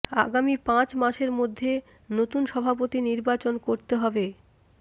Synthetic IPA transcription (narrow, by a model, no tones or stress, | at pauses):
a̰ɡamipãt͡ɕmaʃeɾmod̪ʱːe | not̪unʃɔbʱapot̪iniɾbat͡ɕonkoɾt̪eɦɔbe